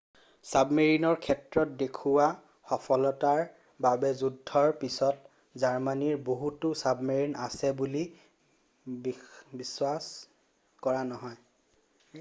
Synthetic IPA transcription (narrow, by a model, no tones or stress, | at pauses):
sabmeɹinɔɹkʰɛtɹɔt̚dekʰuwa | xɔpʰɔlɔtaɹ | babɛzudʱːɔɹpisɔt | zaɹmaniɹboɦutʊsabmeɹina̰sɛbuli | biswas | kɔɹanɔɦɔj